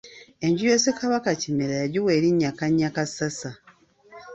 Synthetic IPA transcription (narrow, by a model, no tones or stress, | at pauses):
e̞ɲɟijosekaβakacimeɾajaɟiwe̞ːɾiɲːakaɲːakasasa